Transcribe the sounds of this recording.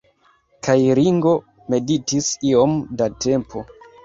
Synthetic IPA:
kʰajɾiŋɡo̞ | me̞ditisio̞mdate̞mpʰo̞

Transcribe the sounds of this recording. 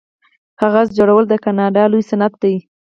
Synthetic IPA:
haɣazd͡ʒoɽawəld̪əkanɑɖɑlujsanat̪̚d̪ai

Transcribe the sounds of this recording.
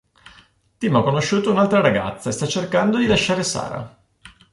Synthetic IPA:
t̪imakːonoʃːuːt̪ounalt̪ɾaɾaɡa̰t̪sːaest̪at͡ʃːerkand̪od̪ilaʃːaːɾesa̰ːɾa̰

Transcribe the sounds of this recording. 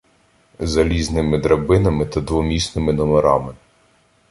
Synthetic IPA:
zɐlʲiznɪmɪd̪ɾɐbɪnɐmɪt̪ɐd̪ʋɔmʲisnɪmɪnɔmeɾɑmɪ

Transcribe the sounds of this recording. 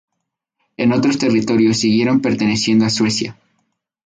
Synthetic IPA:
e̞no̞t̪ɾo̞st̪e̞rit̪o̞ɾjo̞sːiɣje̞ɾo̞mpe̞ɾt̪e̞ne̞sje̞nd̪oaswe̞sja̰

